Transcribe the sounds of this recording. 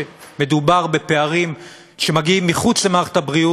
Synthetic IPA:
me̞dubaʁbe̞pe̞aʁim | ʃe̞maɡiimːiχut͡slemaχe̥thabʁiu

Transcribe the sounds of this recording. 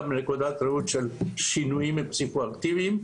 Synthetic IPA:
menekod̪at̪ɾeut̪ʃɛlʃinuimepsikoakt̪ivim

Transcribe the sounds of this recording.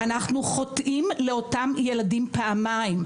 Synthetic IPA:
anaχnuχo̞tʔimleo̞tamje̞ladimpeamaim

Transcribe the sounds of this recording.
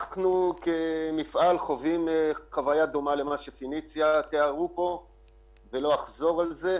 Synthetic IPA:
knukemifʔalχo̞vimχavajad̪omale̞maʃefinit͡sjat̪eaʁupo̞ | velo̞aχzo̞ʁalze̞

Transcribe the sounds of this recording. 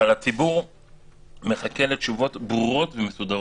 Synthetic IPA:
alat͡sibuʁ | me̞χake̞lett͡ʃuvo̞tbʁuʁo̞tvemesud̪aʁ

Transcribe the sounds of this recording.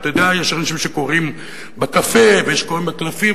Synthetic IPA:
t̪ad̪eajeʃaʁanaʃimʃeko̞ʁim | bakafevejeʃkoʁimbeklafi

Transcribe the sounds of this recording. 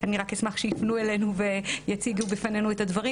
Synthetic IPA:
aniʁakhesmaχʃejifnuele̞nuve̞jat͡siɡubefane̞nuet̪ad̪vaʁi

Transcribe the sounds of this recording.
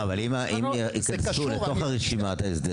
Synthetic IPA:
avalimaʔimikɐansuleto̞χhaʁeʃimat̪aisd̪e

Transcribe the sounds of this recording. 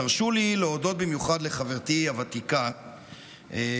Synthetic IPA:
aʁʃulileodo̞t̪̚bimjuχad̪leχaveʁt̪iavat̪ika | e

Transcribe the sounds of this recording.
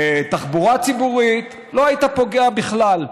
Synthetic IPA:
t̪aχbuʁat͡sibuʁit̪ | lo̞ait̪apo̞ɡeabiχlal

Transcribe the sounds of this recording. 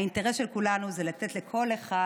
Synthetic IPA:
inteʁesʃe̞lkulanuzelatetlekʰo̞le̞χa

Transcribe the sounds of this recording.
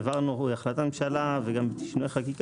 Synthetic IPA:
vaʁnouaχlat̪amemʃalaveɡambet̪i̥ʃnueχakik

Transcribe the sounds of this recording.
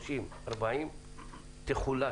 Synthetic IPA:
sim | ɐɾbaim | t̪eχula

